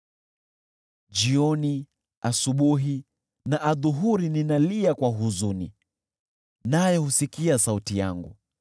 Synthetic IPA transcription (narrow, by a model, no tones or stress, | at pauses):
d͡ʒiɔni | asuɓuɦi | naʔaðuɦuɾininaliakwaɦuzunḭ | najɔhusikiasautija̰ŋɡṵ